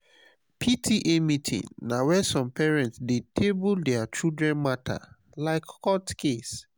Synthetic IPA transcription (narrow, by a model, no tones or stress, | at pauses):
pʰitʰiʔemitʰḭ̃nːawɛsɔ̃mpɛɹɛ̃ntsdetʰebuldɛat͡ʃildɹɛ̃nmatʰa̰ | laɪkkɔtkʰes